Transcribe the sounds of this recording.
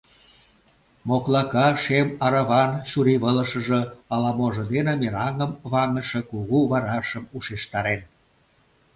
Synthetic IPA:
moklɑkɑʃemɑɾɑβɑnʃuɾiβələʃə̆ʒə̆ɑlɑmoʒə̆d̪enəmeɾɑŋəmβɑŋəʃĕkuɣuβɑɾɑʃəmuʃeʃt̪ɑɾen

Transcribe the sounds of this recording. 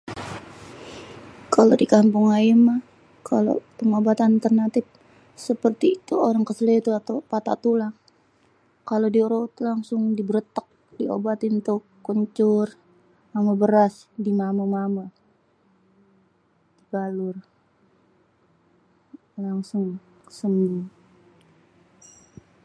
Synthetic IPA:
kalodikampuŋaimah | kʰalo̰pəŋobat̪at̪ərnat̪ɪf | səpərt̪iːt̪uoɾaŋkəsəlit̪uat̪apat̪a̰t̪ulaŋ | kalodiuɾot̪laŋsʊŋdibəɾət̪ək̚ | d̥io̰bat̪int̪ʊkːəɲt͡ʃʊr | mamabəɾasdimamamama | d̥iɡalʊr | laŋsʊŋsəmuŋ

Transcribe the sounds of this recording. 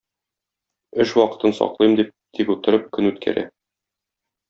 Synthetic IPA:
ɵʃwɒqɤ̥̆t̪ɤnsɒ̰qlˠɤjmd̪ip̚t̪ʰikut̪ɤ̆ɾɤp̚kɵnʉt̪kʰæ̰ɾæ̰

